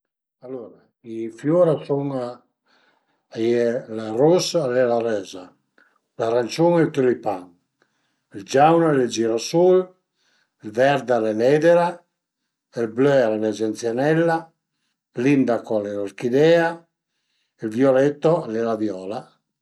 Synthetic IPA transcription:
alːuːɾa | ifjuɾasuŋ | ajɛlarusalɛlaɾɛːza | laɾant͡ʃuŋɛlt̪ulipaŋ | ild͡ʒawnalɛd͡ʒiɾasul | ɛlvɛɾd̪alɛlɛːd̪ɛɾa | ɛlbløaɾɛlɛd͡ʒɛnt̪sjanɛlːa | lind̪akɔalɛlaɾkid̪ɛːa | ɛlvjɔlɛt̪ːɔalːɛlavjɔːla

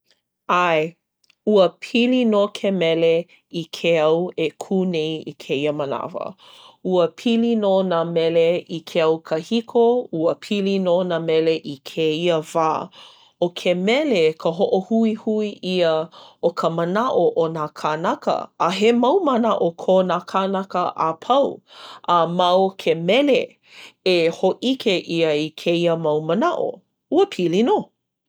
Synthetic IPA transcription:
aj | uəpʰilinokʰemɛle | ikʰeɐwekʰunejḭkʰeiəməna̰və̰ | uəpʰilinonamɛleikʰeɐwkʰəhikʰouəpʰilinonamɛleʔikʰeiəvaː | okʰemɛlekʰəɦoʔohuihuiʔiəokʰəmənaʔoʔonakʰanɐkə̰ːɦemɐwmənaʔokʰonakʰanɐkəʔapʰɐwʔɐmɐkʰemɛle | ehoʔikʰeʔiəikʰeiəmɐwmənaʔo̰ | uəpʰilino

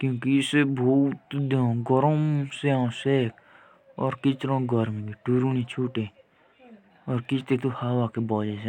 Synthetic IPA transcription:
kjõːkiɪsebʱoːt̪d̪ãɡɔɾomseãːseːk | ɔːɾkɪt͡ʃɾõːɡɔɾmĩɡiʈuɾuːnĩːt͡ʃʰuːʈeː | ɔːɾkɪt͡ʃt̪eːt̪uhaːwaːkebɔːd͡ʒeːse

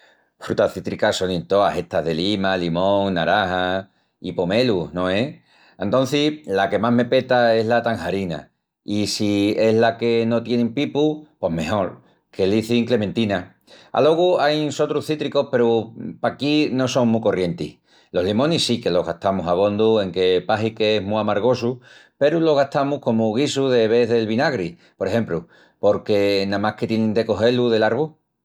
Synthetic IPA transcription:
fɾut̪aθit̪ɾikaso̞nint̪oa̰he̞t̪aɦðe̞limalimõ̞ŋnaɾaha | ipome̞luno̞e̞ | ent̪o̞n̟θilake̞maɦme̞pe̞t̪aeɦlat̪aŋhaɾina̰ | isie̞ɦlake̞no̞t̪je̞ne̞mpipupo̞ɦme̞ho̞ɾ | kʰe̞liθiŋkle̞mẽnt̪ina | a̰lo̞ɣ̞uajnso̞t̪ɾuθit̪ɾiko̞hpe̞ɾupakino̞so̞ŋmuko̞rje̞nt̪ḭh | lo̞ɦlimõnisike̞lo̞ɦɣa̰ht̪amusaβ̞õ̞nd̪ue̞ŋke̞paɦikeeɦmuamaɾɣ̞o̞s̬upe̞ɾulo̞ɣ̞at̪amuhko̞muɣisuðe̞β̞e̞ðe̞lβinaɣɾi | po̞ɾehe̞mplu | po̞ɾke̞nãmahke̞t̪jenẽnd̪e̞ko̞ɦe̞luðe̞laɾβu

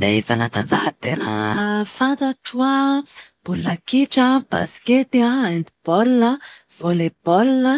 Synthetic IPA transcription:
leivanat̪and͡zahat̪enə̰fant̪aʈ͡ʂuab̥ulakiʈ͡ʂəb̥a̰sket̪iaend̪ib̥ɔlnə | v̥olebɔlnə

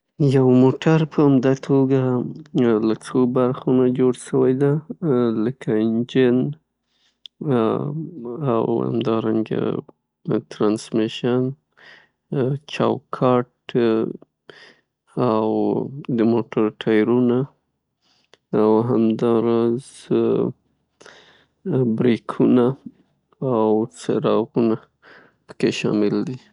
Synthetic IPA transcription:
jawmoʈʰaɾpəamd̪at̪ʰoɡa | lat͡sobaɾxonad͡ʒoɽʃəwajd̪aləkʰaɪnd͡ʒɪn | a̰wha̰md̪ɑɾaŋɡa̰ | t̪ɾɑnsmɪʃan | t͡ʃɑ̰wkʰɑʈ | awd̪əmoʈaɾʈʰɑjɾuna | awɦamd̪ɑɾɑz | bɾekʰuna | awseɾɑɣuna | pə̥keʃɑ̰mɪld̪i

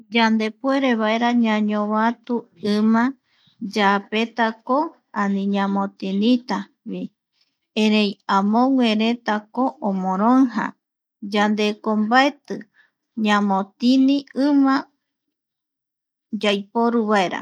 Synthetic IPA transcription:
d͡ʒand̪e̞pue̞ɾe̞βaeɾaɲãɲõβat̪uɨmã | d͡ʒape̞t̪ako | anĩɲãmõt̪inĩt̪a | βi | eɾejamõŋʷeɾe̞t̪akoʔomõɾ̃oŋɦa̰ | d͡ʒand̪e̞kombaet̪ɨ | ɲãmõt̪iniɨmã | d͡ʒajpoɾuβae̞ɾa̰

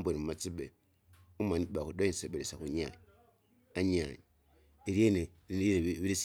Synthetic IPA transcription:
boimumat͡siɓe | umaniɓakudoinseɓeɾesakuɲa̰ɲ | aɲa̰ɲi | iɾiene | ieβiɾis

